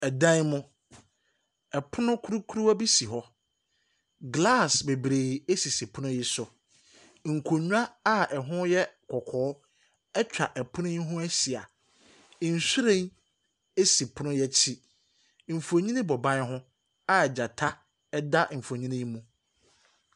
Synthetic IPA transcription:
ɛ˨dã˦n˦mʊ̃˦ | ɛ˨pʰʊ˦nʊ̃˦kʰu˦ɾu˦kʰu˦ɾu˦a˦bi˦si˨ɦɔ˦ | ɡla˦˨sbe˨bɾeː˨i˨e˦si˨si˨pʰʊ˦nʊ̃˦jɛ˦sʊ˨ | ŋ̩˨kʰo˨ɲᶣũ˦a˦a˦ɛ˨ɦʊ̃˦jɛ˦kʰɔ˨kʰɔː˨˦ | ɛ˦t͡ɕᶣa˨ʔɛ˨pʰʊ˦nʊ̃˦ɦʊ̃˦æ˦ɕi˨a̰˨ | n̩˨su˦ɾẽ˦n | e˦si˨pʰʊ˦nʊ̃˦jɛ˦t͡ɕʰi˦ | m̩˨fu˨o˨ɲĩ˦nĩ˦bɔ˨bã˦n˦ɦʊ̃˦ | a˦ɛ˨d͡ʑa˨tʰa˦ | ɛ˦da˦m̩˨fo˨ɲĩ˦nɪ̃˦mũ˦

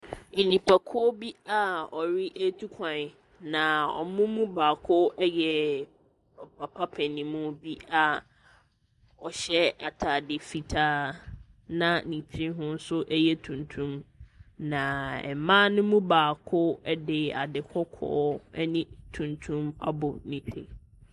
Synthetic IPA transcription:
nĩ˨pʰa˨kʰɔ˦bi˦a˨ɔ˨ɾɪ˦ʔe˦tʰu˦kʷʰã˨n˨ | nã˨ɔ̰˨mũ˦mũ˦baː˨kʰʊ˦jɛ˨ | ɔ˨pʰa˨pʰa˦pʰɛ̃˨nĩ˨mũ˦bi˦a˨ | ɔ˨ɕɛ˦a˨tʰa˨dɪ˨fi˨tʰaː˦ | nã˦nĩ˨t͡ɕʰɾĩ˦ɦʊ̃˦n̩˦sʊ˦ʔɛ˦jɛ˦tʰũ˨ntʰũ˦mnã˨ɛ̰˨mãː˦nʊ̃˦mũ˦baː˨kʰʊ˦ɛ˦dɪ˨a̰˨dɪ˨kʰɔ˦kʰɔ̰ː˦ɛ˦nĩ˦tʰũ˨ntʰũ˦ma̰˦bʊ˨nĩ˨tʰḛ˨

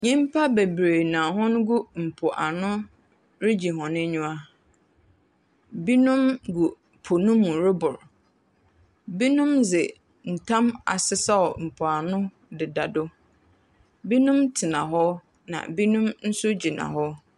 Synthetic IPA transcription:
ɲĩ˦m˦pʰa˦be˨bɾeː˨nã˨ɦɔ̃˦n˦ɡu˦m̩˨pʰʊ˨ʔa˨nʊ̃˦ | ɾɪ˦d͡ʑi˨ɦɔ̃˨nɪ̃˦ɲũ˦a˦ | bi˦nũ˦mɡu˨ | pʰo˨nũ˦mũ˨ɾɪ˦bʊ˨ɾ | bi˦nũ˦mzɪ˨ | n̩˨tʰã˦ma̰˨sɪ˦sa˦ɔ˨m̩˨pʰʊ˨a˨nʊ̃˦ | dɪ˨da˨dʊ˦ | bi˦nũ˦mtʰɪ˨nã˨ɦɔ˦ | nã̰˨bi˦nũ˦mn̩˦sʊ˦d͡ʑi˨nã̰˨ɦɔ˦

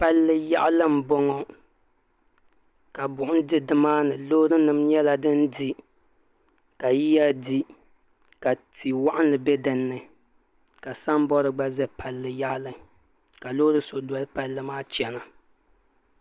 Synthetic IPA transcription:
pa˦lːɨ˦ja˦ʔlɨ˦m˨bɔ˦ŋɔ˨ | ka˨bʊ˨ʔʊ˦n˦dɨ˦dɨ˦maː˦nɨ˨loː˦ɾɨ˦nɨ˨mɲɛ˦la˨dɨ˦ndi˦ | ka˨ji˦ja˦di˦ | ka˨ti˨wa˦ʔa˦n˦lɨ˨bɛ˦dɨ˨nːɨ˨ | ka˨sa˦m˦bɔ˦ɾɨ˦ɡ͡ba˦zɛ˦pʰa˨lːɨ˨ja˦ʔlɨ˦ | ka˨lo˦ɾɨ˦so˨dɔ˦lɨ˦pa˨lːɨ˦maː˦t͡ʃɛ˨na˨

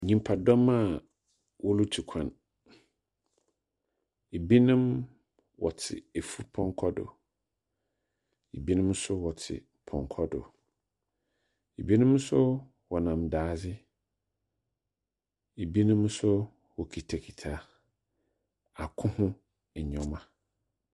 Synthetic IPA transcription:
ɲĩ˨m˦pʰa˨dɔ˦ma˦˨ | wɔ˦lu˦tʰu˨kʷʰã˨n | e˨bi˦nɪ̃˦m | wɔ˨tʰɪ̰˨e˨fu˦pʰɔ̃˦ŋ˦kʰɔ˦dʊ̰˨ | e˨bi˦nʊ̃˦msʊ˦wɔ˨tʰɪ̰˨ | pʰɔ̰̃˨ŋkʰɔ˦dʊ̰˨ | e˨bi˦nʊ̃˦msʊ˦ | wɔ˨nã˨mdaː˨˦d͡zɪ˦ | e˨bi˦nʊ̃˦msʊ˦ | wɔ˨kʰi˨tʰa˨kʰi̥˨tʰa˨ | a˨kʰʊ̃˦hʊ̃˦ | ɛ˨ɲɔ̃˦mã˨

